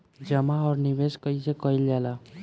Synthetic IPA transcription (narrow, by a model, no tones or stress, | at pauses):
d͡ʒəmaɔːɾnibeskəisekəild͡ʒala